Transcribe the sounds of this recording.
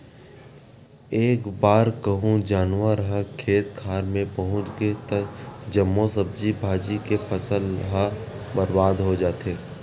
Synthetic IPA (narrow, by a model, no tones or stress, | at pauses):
eːkbaːɾkɐɦũd͡ʒaːnwəɾɦakʰeːt̪̚kʰaːɾmẽpɐɦʊ̃t͡ʃɡet̪ɐd͡ʒɐmːosəb̚d͡ʒibʱaːd͡ʒikepʰɐsəlɦabɐɾbaːd̪ɦod͡ʒaːt̪eː